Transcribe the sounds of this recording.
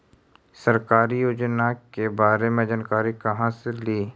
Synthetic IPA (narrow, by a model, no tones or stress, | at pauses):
səɾkaːɾijoːd͡ʒnakebaːɾemẽd͡ʒankaːɾikɐɦãseliː